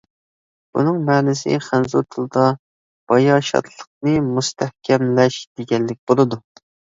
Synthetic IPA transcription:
bṵnɨŋmɛːnɪsɪ̰χænzut̪ʰɨlˠɨd̪ɑ | b̥ɑjɑʃɑ̰t̪ʰlˠəq̚nɨmust̪ʰɛhkʲʰɛmlɛʃd̪̥eɡʲɛnːɪkʲbolˠɨd̪u

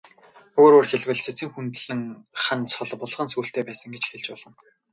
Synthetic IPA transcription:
ɵɣoːɾoːrxeɮwɘ̆ɮset͡sɘ̆ŋxunt̪ɮɘ̆ŋχant͡sʰɔɮpʊɮʁə̆nsuːɬt̪eːpæːsə̆ŋɡet͡ɕxeɮt͡ɕpɔɮɞ̆n

